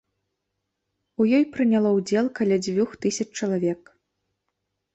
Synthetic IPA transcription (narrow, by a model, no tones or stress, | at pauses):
ujɔjpɾɨnʲalˠɔwd͡zʲɛlˠkalʲad͡zʲvʲuxt̪ɨsʲɐt͡ʂːt͡ʂɐlˠavʲɛk